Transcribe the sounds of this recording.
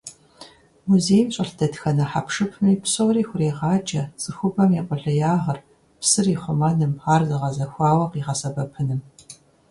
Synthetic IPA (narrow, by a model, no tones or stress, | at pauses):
muzeːjmɕʼɐɬdʰɐdxɐnɐħapʂɨpʰmiːpsowriːxʷʊreːʁɑːd͡ʒɐz̥ɨxʷʊbɐmjɛqʷʼʊɮɐjaːʁɐr | psɨriːχʷʊmɐnɨmaːrzɨʁɐzɐxʷɑːwɐqiːʁɐsɐbɐpʰɨnɨm